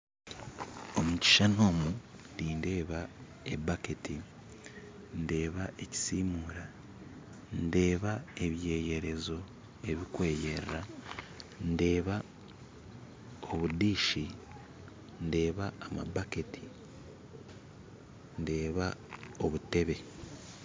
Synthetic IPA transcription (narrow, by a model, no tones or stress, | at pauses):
o̞muci̥ʃano̞ːmu | diːnde̞ːβa | e̞̰baketi | nde̞ːβae̞ci̥siːmuːɾa | nde̞ːβae̞βje̞ːje̞ɾe̞zo̞ | e̞βikwe̞ːjeɾa | nde̞ːβa | oβudiːʃi | nde̞ːβaːma̰baketʰi̥ | nde̞ːβao̞βute̞βe̞